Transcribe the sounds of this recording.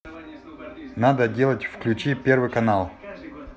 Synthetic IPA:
nad̪ədʲe̞lˠətʲfklʲʉt͡ɕipʲe̞rvɨkɐnalˠ

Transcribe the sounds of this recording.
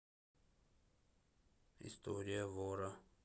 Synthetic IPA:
ɪ̰st̪ʰoɾʲɪjəvoɾə

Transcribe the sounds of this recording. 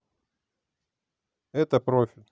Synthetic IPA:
ɛt̪əpɾo̞fʲɪlʲ

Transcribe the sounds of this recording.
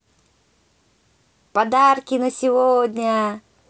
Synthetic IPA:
pɐd̪arkʲɪnəsʲɪvodʲnʲə

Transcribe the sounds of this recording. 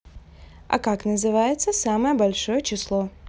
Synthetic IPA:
ɐ̰kaknəzɨvajɪt̪səsaməjəbɐlʲʂo̞jət͡ɕɪslˠo

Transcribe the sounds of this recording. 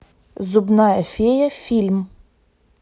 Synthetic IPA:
zʊbnɑɛfʲejɐfʲilʲm

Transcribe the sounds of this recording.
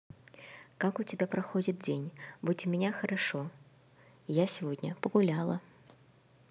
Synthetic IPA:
kakʊt͡sʲɪbʲapɾaxɔd͡zʲit̪̚d͡zʲenʲbut͡sʲʊmʲɪnʲaxɐɾaʂɔ | jasʲivɔd̪ʲnʲɐpɐɣulʲalˠɐ

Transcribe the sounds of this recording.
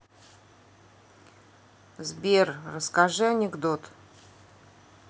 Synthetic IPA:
zbʲerrəskaʐɨanʲɪɡd̪ot̪

